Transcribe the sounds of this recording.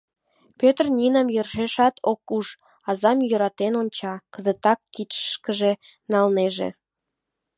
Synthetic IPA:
pʲøt̪rnʲinɑmjørʒeʃɑt̪ʰokuʃ | ɑzɑmjøɾɑt̪enonʲt͡ɕɑkə̆zə̆t̪ɑkːit̪ə̥ʃkə̆ʒe | nɑlneʒḛ

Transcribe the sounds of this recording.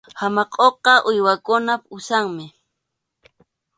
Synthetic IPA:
hamɑqʼoqɑʔʊjwakʊnapʊsaŋmɪ

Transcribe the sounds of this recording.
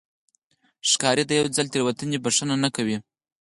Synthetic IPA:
ʂkɑɾid̪əjawd͡zalt̪eɾwat̪ənibaʂənanakawi

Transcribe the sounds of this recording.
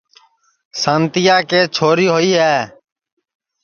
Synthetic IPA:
sãːnt̪ɪjaːkeːt͡ʃʰoːɾiːɦoiːɦɛː

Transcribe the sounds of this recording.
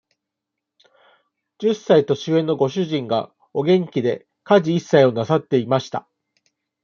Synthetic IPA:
d͡ʑɨsːait̪o̞ɕiẽ̞nːo̞ɡo̞ɕɨʑĩŋɡa̰ | o̞ɡẽ̞ŋkʲid̪e̞ | kaʑiisːaio̞nasat̪ːe̞imaɕi̥t̪a̰

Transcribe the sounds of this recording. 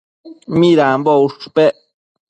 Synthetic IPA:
miɾambouʂpe

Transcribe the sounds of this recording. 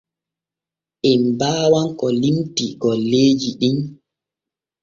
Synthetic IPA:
ʔɛmbaːwankɔlimtiɡɔlːeːd͡ʒiɗin

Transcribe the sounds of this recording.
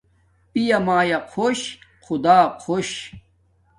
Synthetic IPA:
pijɐmaːjaqʰoɕqʰud̪aːqʰoɕ

